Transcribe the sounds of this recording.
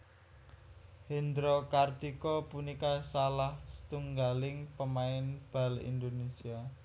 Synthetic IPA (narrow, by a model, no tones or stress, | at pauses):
hend̪ɾokard̪ikɔpunikasalahsə̥t̪uŋɡalɪŋpəmaɪnb̥a̤lḭnd̪onesia